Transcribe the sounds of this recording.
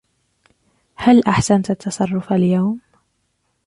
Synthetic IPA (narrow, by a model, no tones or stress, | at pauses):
halʔaħsant̪at̪ʰːɑsˤɑrˤːʊfaljawm